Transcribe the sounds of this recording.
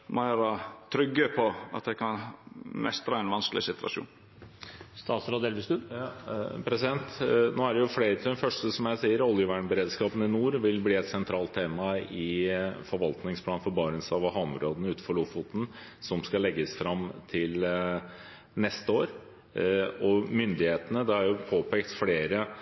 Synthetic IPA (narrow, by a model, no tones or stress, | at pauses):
mæɾɑt̪ʰɾʏɡːəpʰɔɑ̰t̪d̪ɛɪkʰɑnmɛst̪ɾɑɛnʋɑnskəlɪsɪt̪ʉɑ̰ʃṵːn | st̪ɑːt̪sɾɑːd̪ɛlʋɪst̪ʉɑpʰɾɛsɪd̪ɛnt̪noːæɖɛjʊfleɪːɾət̪ʰɪd̪ɛnfœʂʈəsɔmjæɪsiːəɾɔljəʋæːɳbəɾeːd̪skɑːpənɪnuːɾʋɪlbliːɛt̪sɛnt̪ʰɾɑːlt̪ʰːeːmɑɪfɔɾʋɑlt̪nɪŋspʰlɑːnfɔɾbɑːɾɪnsɑʋɔhɑnɾoːd̪ənəʉːt̪n̩fɔɭʊfʊt̪n̩sɔmskɑlɛɡːəsfɾɑmt̪ʰɪl | nɛst̪əoːɾ | ɔmʏnd̪ɪheːt̪ənəd̪ɛæɾjʊpʰoːpʰeːkt̪fleːɾə